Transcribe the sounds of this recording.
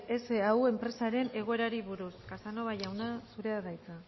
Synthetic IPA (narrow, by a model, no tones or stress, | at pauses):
ese̞aue̞mpɾe̞saɾe̞ne̞ɣ̞o̞e̞ɾaɾiβuɾuskasano̞βajawnasuɾe̞aðajt͡sa